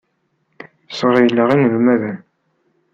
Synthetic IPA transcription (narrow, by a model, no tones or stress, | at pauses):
səʁjəlːəʁinlumæðæn